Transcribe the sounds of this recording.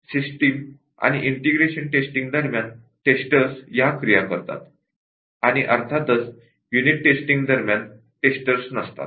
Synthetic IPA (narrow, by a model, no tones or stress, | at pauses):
sisʈim | a̰ñiʔiɳʈiɡɾeɕənʈesʈĩŋɡd̪əɾmjan | ʈesʈəɾsjakɾijakəɾt̪a̰t̪ | aɽ̃iʔəɾt̪ʰat̪ət͡s | juniʈːesʈĩŋɡd̪əɾmjan | ʈesʈəɾsnəst̪a̰t̪